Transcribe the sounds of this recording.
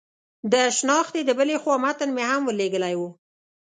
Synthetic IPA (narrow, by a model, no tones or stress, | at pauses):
d̪əʃnɑxt̪ed̪əbəlexwɑmat̪ənmehamwəleɡəlajwu